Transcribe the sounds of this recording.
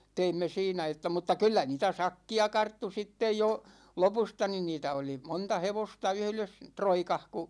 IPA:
teimːe siːnæ etːæ mutːɑ kylːæ niːtæ sɑkːiɑ kɑrtːu sitːej jo lopustɑ nin niːtæ oli montɑ heʋostɑ yhles troikɑh ku

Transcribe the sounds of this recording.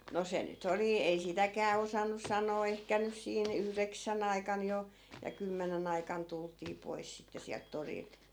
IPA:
no se nyt oli ei sitækæː osɑnːus̆ sɑnoː ehkæ nys siːn yhreksæn ɑikɑn jo jɑ kymːenen ɑikɑn tultiː pois sitːe siælt torilt

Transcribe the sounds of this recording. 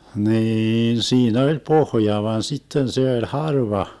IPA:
hniːn siːn olʲ pohjɑ ʋɑn sitːen se olʲ hɑrʋɑ

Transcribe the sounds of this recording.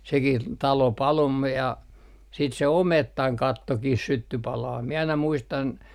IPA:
sekih tɑlo pɑlo m me jɑ siːt se ometːɑŋ kɑtːokih sytːy pɑlɑː mie ɑinɑ muistɑn

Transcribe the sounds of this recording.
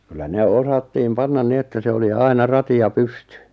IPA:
kylːæ ne osɑtːiːm pɑnːɑn ni etːæ se oli ɑinɑ rɑti jɑ pystẙ

